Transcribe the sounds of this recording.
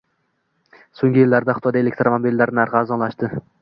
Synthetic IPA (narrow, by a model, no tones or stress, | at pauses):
soŋɡʲɪjɪlːaɾd̪aχʊt̪ɒd̪aelek̚ʲt̪ɾomanobilːaɾnɪaɾʁaːzɒlaʃt̪ɪ